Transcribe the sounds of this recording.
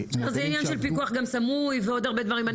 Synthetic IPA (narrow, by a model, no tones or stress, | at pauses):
zejainjanʃelpikuaχɡamsamujveo̞d̪aʁbed̪vaʁima